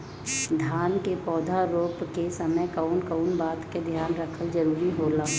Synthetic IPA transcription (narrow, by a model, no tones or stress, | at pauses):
d̪ʱjaːnkepɔːd̪ʱaɾoːpkesəməjkəʊnkəʊnbaːt̪ked̪ʱjaːnɾəkʰəld͡ʒəɾuːɾiɦoːlaː